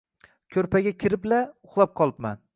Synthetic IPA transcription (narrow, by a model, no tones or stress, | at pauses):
kʲʰɵɾpʰaɡʲakʲʰɪɾɪblaʊχlˠap̚qʰɒlˠɪpman